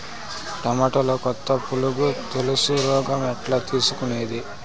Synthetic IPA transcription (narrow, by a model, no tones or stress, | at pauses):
ʈɐmaːʈoloːkɔt̪ːɐpuluɡut̪elusuɾɔːɡɐmɛʈlaːt̪iːsukuneːd̪i